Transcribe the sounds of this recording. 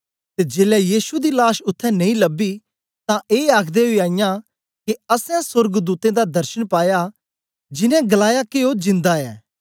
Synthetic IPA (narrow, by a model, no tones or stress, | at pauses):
t̪ed͡ʒeːlɛjiːsud̪ilaːʃʊt̪ʰːɛ̃nɐ̃ĩlɐbi | t̪ãʔeːaːkʰd̪eɦoiaːɪjã | kiɐsɛ̃sʊɾɡd̪uːt̪ẽd̪ad̪ɐɾʃənpaːja | d͡ʒɪnɛ̃ɡɐlaːjakeod͡ʒɪ̃nd̪aɛː